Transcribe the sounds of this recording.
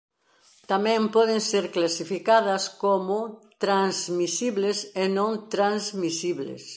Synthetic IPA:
t̪amɛ̃mpɔðeŋseɾklasifikaðɐskomʊt̪ɾanzmisiβlesenõŋt̪ɾanzmisiβlḛs

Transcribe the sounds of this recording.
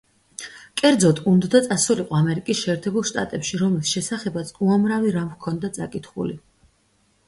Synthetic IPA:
kʼɛɾd̪zɔt̪ʰʼund̪d̪at̪sʼasuliqʼɔamɛɾikʼisʃɛːɾt̪ʰɛbulˠʃt̪ʼa̰t̪ʼɛpʃiɾɔmlisʃɛsaχɛbat̪sʰuamɾaviɾamkʰɔnd̪at̪sʼakʼit̪ʰχṵli

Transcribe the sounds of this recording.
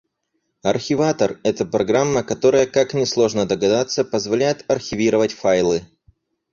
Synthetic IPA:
ɐrxʲɪvat̪ərɛt̪əpɾɐɡɾamːəkɐt̪o̞ɾəjəkaknʲɪslˠo̞ʐnəd̪əɡɐd̪at̪səpəzvɐlʲæjɪt̪ɐrxʲɪvʲiɾəvətʲfajlˠɨ

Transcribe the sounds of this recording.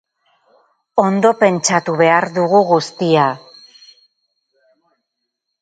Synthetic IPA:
o̞nd̪o̞pe̞nt͡ʃat̪uβe̞aɾðuɣuɣust̪ia

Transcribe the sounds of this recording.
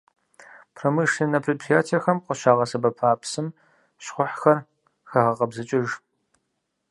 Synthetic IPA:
pʰrɐmɨʂinɐpʰripʰrijaːtʰerxɐmqʷɔʃaːʁɐsɐbɐpʰaːpʰsɨm | ɕχʷʊħxɐr | xɐʁɐqɐbzɨt͡ʃʼɪʒ

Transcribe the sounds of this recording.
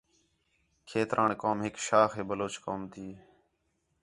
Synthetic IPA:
kʰeːt̪ɾʔaːɳkaːmɦɪkʃaːxeːbəloːt͡ʃkoːmt̪ʰiː

